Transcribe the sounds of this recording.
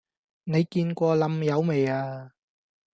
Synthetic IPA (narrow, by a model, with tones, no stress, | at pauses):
ne˨˧jkiː˧nkʷɔː˧lɐ˨˩mjɐ˨˧wme˨jaː˧